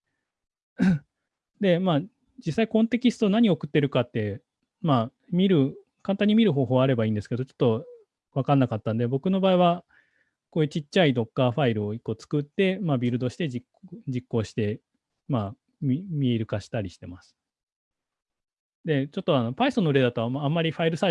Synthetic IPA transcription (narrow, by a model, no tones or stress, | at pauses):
d̪e̞maː | d͡ʑisːaikõ̞nt̪e̞kʲisɨ̥t̪o̞naɲ̟io̞kɯ̟t̪ːe̞ɾɯ̟kat̪ːe̞ | ma | mʲiɾɯ̟ | kãnt̪ãɲ̟ːimʲiɾɯ̟ɦo̞ːɦo̞ːβaɾe̞baĩːnd̪eske̞d̪ot͡ɕo̞̥t̪ːo̞ | βakãnːakat̪ːãnd̪e̞bo̞kɯ̟no̞baːiβa | ko̞ːjɯ̟t͡ɕit͡ɕt͡ɕːaid̪o̞kːaːɸaiɾɯ̟o̞iko̞ːt͡sɨ̥kɯ̟t̪ːe̞mabʲiɾɯ̟d̪o̞ɕi̥t̪e̞ikd͡ʑikːo̞ːɕi̥t̪e̞ | ma | mimʲieɾɯ̟kaɕi̥t̪aɾʲiɕi̥t̪e̞masɨ̥ | d̪e̞t͡ɕo̞t̪ːo̞ano̞paistonːoɾe̞d̪at̪o̞βamaːmːaɾʲiɸaiɾɯ̟sa